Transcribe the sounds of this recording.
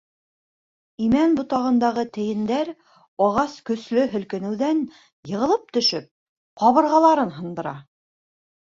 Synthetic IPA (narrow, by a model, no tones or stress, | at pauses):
imænbŏt̪ɑʁɤ̆nd̪ɑʁɤt̪ɘ̆jɘ̆nd̪æɾ | ɑʁɑskɵ̆slɵɦɵ̆lkɘ̆nɘ̆wðæn | jɤ̆ʁɤ̆lˠɤp̚t̪ɵ̆ʃɵp̚ | qɑβɤ̆ɾʁɑlˠɑɾɤnɦɤ̆nd̪ɤ̆ɾɑ